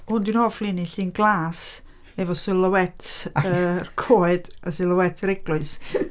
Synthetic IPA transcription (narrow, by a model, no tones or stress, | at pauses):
hʊndɪnhɔflˠiniɬiːnɡlˠaːs | ɛvɔsɪlˠəwɛtʰərkʰoːɨd̥əsɪlˠəwɛtʰəɾɪɡlʊɨs